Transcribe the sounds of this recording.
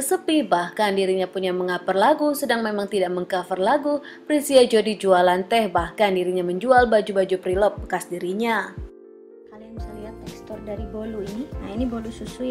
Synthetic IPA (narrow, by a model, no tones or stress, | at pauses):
əsəpibahkandiɾiɲapuɲaməŋapərlaɡusədaŋmemaŋt̪idaʔ̚məŋkafərlaɡu | pɾisiad͡ʒodid͡ʒualant̪ɛhbahkandiɾiɲaməɲd͡ʒualbad͡ʒubad͡ʒupɾilɔp̚bəkasdiɾiɲa | kalijaŋbisɛliɦat̪ːɛkst̪ɔrdaɾiboluiniainibolususu